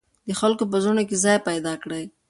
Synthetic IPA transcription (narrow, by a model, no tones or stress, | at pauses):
d̪əxalkop̬əzonokezɑjpajd̪ɑkɽaj